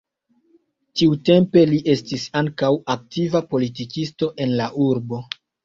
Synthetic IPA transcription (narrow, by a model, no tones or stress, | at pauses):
tiute̞mpe̞liʔe̞stisaŋkawak̚tivapo̞litikisto̞ʔe̞nlaʔuɾbo̞